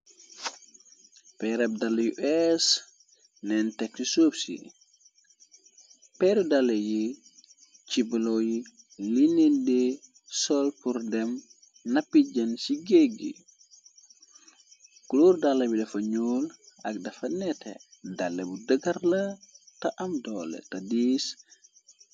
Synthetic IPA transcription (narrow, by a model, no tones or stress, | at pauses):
pɛɾɛb̚dalːɐjṵʔɛs | nɛntɛk̚tisoːbsḭ | pɛɾudalːeji | t͡ʃibiloji | linende | sɔlpuɾdɛm | nɐpːiɟɐnsiɡeɡḭ | kuluɾdalːɐbilɐfɐɲuːlɐk̚dɐfɐnɛtḛdɐlːebudəɡɐɾlɐtɐʔɐmdolḛtɐdiːs